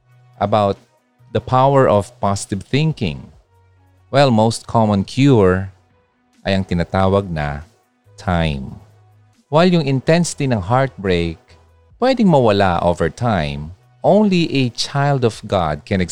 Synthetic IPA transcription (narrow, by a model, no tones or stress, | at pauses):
ʔɐbawt̪̚ | d̪ɐpʰawɛɹʔɔvpɑsɪ̥t̪ɪvθɪ̃ŋkɪ̰̃ŋ | wɛlmowst̪̚kʰɔmɔ̃nkʰjuɹ | ʔɐjɐŋt̪ɪnat̪aːwɐɡ̚nɐ̰ | t̪ʰajm | wajljʊŋɪ̃nt̪ɛ̃nsɪ̥t̪inɐŋɦaɹt̪̚bɹejk̚ | pwɛd̪ɪŋmɐwɐla̰ʔo̰vɛɹt̪ʰãjm | ʔõwnliʔɛt͡ʃajld̪ɔvɡa̰d̪̚kʰɛ̃nɛ